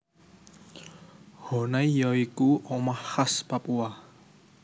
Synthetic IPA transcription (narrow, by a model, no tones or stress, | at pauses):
hɔnaijɔikuʔɔmahhaspapua